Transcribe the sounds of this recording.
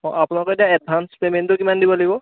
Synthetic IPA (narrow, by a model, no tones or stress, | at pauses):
ɔ̰̃apʊnalɔkɔetijaɛd̚bʱanspementʊkimandibɔlaɡibɔ